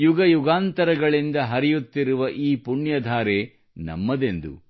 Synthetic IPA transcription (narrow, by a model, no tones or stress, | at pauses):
juɡɐjuɡaːnt̪ɐɾɐɡɐɭind̪ɐɦɐɾijut̪ːiɾuʋɐʔiːpuɳjɐd̪ʱaːɾeː | nɐ̰mːɐd̪e̞nd̪ṵ